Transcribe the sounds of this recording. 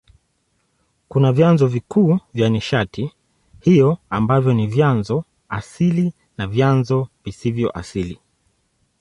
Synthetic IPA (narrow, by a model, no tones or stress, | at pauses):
kunavjanzɔvikuːvjaniʃatʰi | hijɔambavjɔnivjanzɔ | a̰sili | navjanzɔvisivjɔ̰ʔa̰silḭ